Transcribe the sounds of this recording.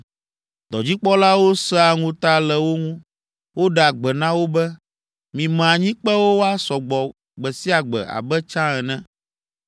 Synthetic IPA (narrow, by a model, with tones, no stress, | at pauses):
d̪ɔ˨d͡ʑi˦k͡pɔ˦la˦wo˦sɛ˦a˨ŋũ˦t̪a˦lɛ˨wo˦ŋũ˦ | wo˦ɖɛ˨a˨ɡ͡bɛ˨nã˦wo˦bɛ˦ | mĩ˨mɛ̃˨a˨ɲĩ˦k͡pɛ˦wo˦wo˦a˦sɔ˨ɡ͡bɔ˨ | ɡ͡bɛ˨si˦a˨ɡ͡bɛ̰˨a̰˨bɛ˦t͡ʃã˦ɛ˨nɛ̃˦